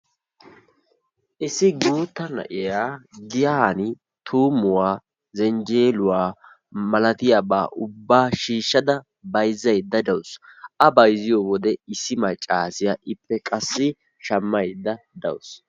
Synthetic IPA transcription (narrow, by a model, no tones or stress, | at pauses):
ʔɪsːɪɡuːt̪ːɐnɐ̰ʔɪjaːɡɪjanɪ | t̪ʰuːmʊwaː | zɛnd͡ʒeːlʊwaː | mɐlɐt̪ɪjabaːʔʊbːaːʃiːʃːɐd̪ɐ | bɐjzːɐjd̪ːɐd̪ɐwsʔɐbɐjzɪjowɔd̪ɛɪsːɪmɐt͡ʃʼːaːsɪjaːʔɪpːɛkʼɐsːɪ | ʃɐmːɐjd̪ːɐd̪ɐ̰ws